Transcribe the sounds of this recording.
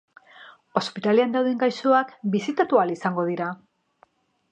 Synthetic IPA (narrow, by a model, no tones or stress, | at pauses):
o̞spit̪aleand̪awðeŋɡajsoakbisit̪at̪ualisaŋɡo̞ðiɾa